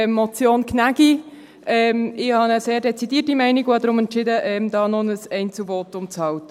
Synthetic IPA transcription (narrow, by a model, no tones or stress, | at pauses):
mːɔt͡sjoːnkʰnæɡ̥i | ʔɛːmɪhɑnəseːɾdɛt͡sidiːtimɛɪniɡodɾʊmɛntt͡ʃɪdəʔɛmd̥ɑːnɔnəsɛɪnt͡suvɔːtːʊmt͡shɑltə